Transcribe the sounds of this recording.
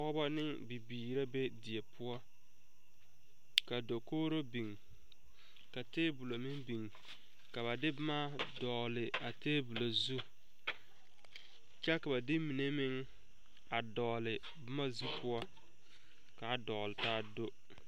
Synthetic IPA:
ɔ˦ba˦nɪ˦ŋbi˨biː˨ɾa˦be˦di˨e˨pʰʊ˦ɔ˦ | ka˨do˨koː˦ɾo˦bi˨ŋ | ka˨teː˦bu˨lo˨mɪ˦ŋbi˨ŋ | ka˨βa˨dɪ˦bʊ˦ma˦dɔː˨lɪ˨a˨teː˦bu˨lo˨zu˦ | t͡ʃa˦ka˨ba˨dɪ˦mi˨ne˦mɪ˦ŋ | a˨dɔː˨lɪ˨ | bʊ˦ma˦zu˦pʰʊ˦ɔ˦ | ka˨˦˨dɔ˨lɪ˨taː˦do˦

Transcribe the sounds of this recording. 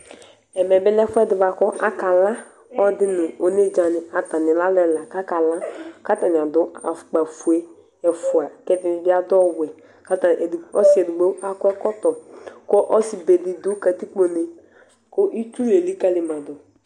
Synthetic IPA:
ɛ˨mɛ˨bɪ˦lɛ˦fʊ˦ɛ˦dɪ˨va˨kɔ˦ʔa˦ka˨la˦ | ɔ˦dɪ˦nʊ˨o˨ne˦d͡ʒa˨nɪ˨ʔa˨ta˨nɪ˨la˦lɛ˦la˨ka˦ka˨la˦ka˦ta˨nɪ˨a˨dʊ˨˦a̰˨fk͡pa˨fu˨e˦ | ɛ˨fʊ˨a˨kɛ˦dɪ˦nɪ˨bɪ˦a˦dɔ˦wɛ˨ | ka˦ta˨ʔdɔ˦si˨˦ɛ˨du˨ɡ͡bo˦a˦kʷɛ˦kɔ˦tɔ˨kɔ˦ʔɔ˦si˨be˨di˨dʊ˦ka˨ti˦k͡po˨ne˨ | ko˦ʔi˦tu˦e˨li˦ka˦li˨mã˨dʊ˨

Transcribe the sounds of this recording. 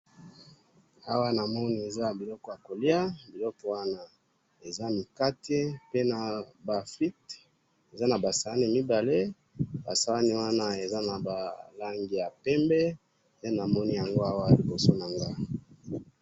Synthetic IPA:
a˦wa˦na˨mɔ˦ni˦e˨za˦a˨bi˨lɔ˦kɔ˦ja˨ko˨li˦a˦bi˨lɔ˦kɔ˦wa˦na˦ | e˨za˦mi˨ka˦tʰe˦pe˦na˨ba˨fi˦t | e˨za˦na˨ba˨sa˨a˦ni˦mi˦ba˨le˦ | ba˨sa˨˦la˦ni˦wa˦na˦e˨za˦na˨ba˨la˦ŋɡi˨ja˨pɛ˦mbɛ˦ | e˦na˨mɔ˦ni˦ja˨ŋɡo˦a˦wa˦˨li˨bo˨so˦na˨ŋɡa˦

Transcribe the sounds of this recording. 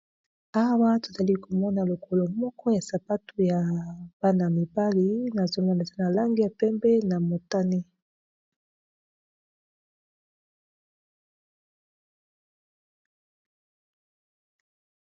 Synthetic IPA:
a˦wa˦to̥˨za˨li˦ko˨mɔ˦na˨lo˨kʰo˨lo˨mɔ˦kʰɔ˦ja˨sa˨pa˦tu˨ja˨b̥a˦na˨mi˨ba˦li˦na˨zo˦mɔ˦ne˨ta˦na˨la˦ŋɡi˦ja˨pɛ˦mbɛ˦na˨mo˨ta˦ni˦

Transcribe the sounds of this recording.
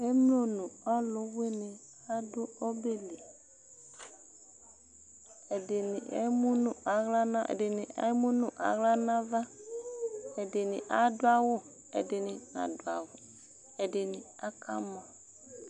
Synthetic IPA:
e˦mlo˦nũ˨a˦lʊ˨we˦ne˨ | a˦dʊ˦o˦be˦le˨ | e˨de˨ni˨ḛ˦mũ˦nũ˦a˨ɣla˦nã˦ʔḛ˨de˨nĩ˨a̰˦mũ˦nũ˦ʔa̰˨ɣla˦nã˦va˦ | e˨dɪ˨nḭ̃˨ʔa˦do˦a˦wo˦ | ḛ˨de˨nɪ˨nã̰˨do˨a˨wʊ˨ | e˨de˨nĩ˨a˦kʰa˦mɔ̃˨

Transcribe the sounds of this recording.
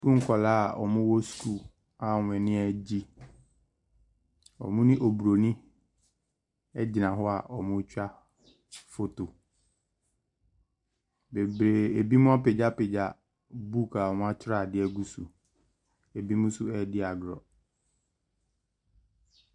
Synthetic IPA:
bũ˦ŋ̩˦kʰɔ˨laː˦˨ɔ̰˨mʊ̃˦wɔ˦sku˦˨ | a˨ŋʷ˨ɛ̃˨nɪ̃˦ɛ˨d͡ʑi˦ | ɔ̰˨mʊ̃˦nɪ̃˦ʔo˨bu˨ɾo˨nĩ˦ | ɛ˦d͡ʑɪ˨nã˨ɦɔ˦a˨ʔɔ˨mʊ̃˦t͡ɕᶣa˦ | fo˨to˨ | be˨bɾe˨e˨bi˦mʊ̃˦a˦pɪ˨d͡ʑa˦pɪ˨d͡ʑa˨ | bu˦ka˨ɔ˨mʊ̃˦a˦t͡ɕʰɾa˦˨dɪ˦ɛ˦ɡu˦su˨ | e˨bi˦mʊ̃˦su˦ɛ˦dɪ˦a˨ɡɾɔ̰˨

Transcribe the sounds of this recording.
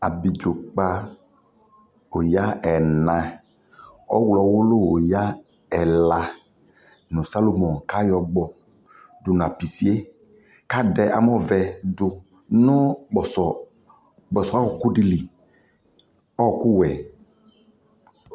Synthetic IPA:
a̰˨bi˨d͡ʒo˨k͡pa˦ | o˨ja˦ɛ˨nã˨ | ɔ˦wlɔ˨wʊ˦lʊ˦o˨ja˦ | ɛ˨la˨ | nʊ̃˨sa˦lo˨mɔ˨nka˦jɔ˨ɡ͡bɔ˨ | dʊ˨n˨a˨pi˨si˦e˦ | ka˦dɛ˨ʔa̰˨m˦ɔ˦vɛ˨dʊ˨ | nʊ˦ɡ͡bɔ˨sɔ˨ | ɡ͡bɔ˨sɔ˨a˦wɔ˨kʊ˦di˦˨li˨ | ɔ˦˨kʊ˦wɛ˨

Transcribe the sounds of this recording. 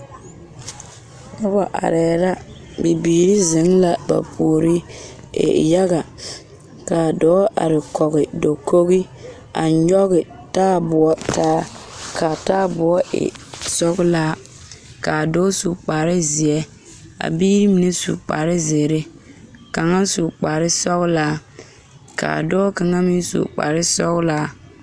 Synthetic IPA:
kɔ˦ba˨ʔa̰˨ɾɛː˨ɾa˦ | bi˨biː˨ɾi˦zɪ˨˦ŋla˨ba̰˨pʰo˨ɾi˦ | ḛ˨ja˦ɣa˨ | ka˨dɔː˨˦ʔa̰˨ɾɪ˨kɔ˨ɣɪ˨do˨kʰo˦ɣi˦ | a̰˨ɲɔ˦ɣɪ˨ | taː˦bʊ˨ɔ˦taː˦kʰa˨taː˦bʊ˨ɔ˦ʔɪ̰˨sɔ˦ɣʊ˦laː˦ | ka˨dɔ˦su˨k͡pa˨ɾɪ˦zɪ˨ɛ˦ | a̰˨biː˦ɾi˦mi˨ne˦sṵ˨k͡pa̰˨ɾɪ˦ze˨ɾe˦ | ka˨ŋa˦su˨k͡pa˨ɾɪ˦sɔ˦ɣʊ˦laː˦ | ka̰ː˨dɔː˦ka˨ŋa˦mɪ˦n˦sṵ˨k͡pa̰˨ɾɪ˦sɔ˦ɣʊ˦laː˦

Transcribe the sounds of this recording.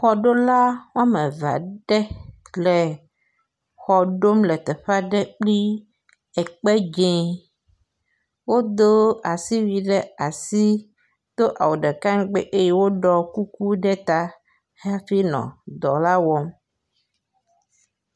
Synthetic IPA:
xɔ˨ɖo˦la˦wõ˦a˦mẽ˨va̰˨ɖɛ˦ | le˨ | xɔ˨ɖo˦mlɛ˨t̪ɛ˨ɸa˦ɖɛ˦k͡pli˦ | ɛ˨k͡pɛ˦d͡ʒẽ˨˦ | wo˦d̪o˦a˨si˦wi˨ɖɛ˦a˨si˦ | t̪o˦ʔa̰˨wo˨ɖɛ˨ka˦ŋ˦ɡ͡bɛ̰˦ʔe˦je˦wo˦ɖɔ˦ku˦ku˦ɖɛ˦t̪a˦ | he˦a˦fi˦nɔ̰̃˨d̪ɔ˨la˦wɔ˦m

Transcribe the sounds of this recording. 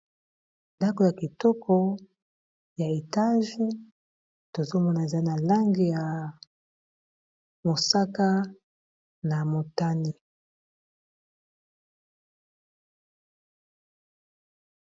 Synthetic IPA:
nda˦ko˨ja˨ki˨tɔ˦kʰɔ˦ | ja˨e˨ta˦ʒ | to˨zo˦mɔ˦na˨e˨za˦i˦na˨la˦ŋɡi˦ja˨ | mo˨sa˦ka˦ | na˨mo˨ta˦ni˦˨

